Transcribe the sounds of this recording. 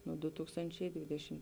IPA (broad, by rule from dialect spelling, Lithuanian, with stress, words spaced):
nuɔ dʊ ˈtuːkstɐnʲt͡ʃʲɛɪ ˈdʲʋʲɪdʲɛʃʲɪm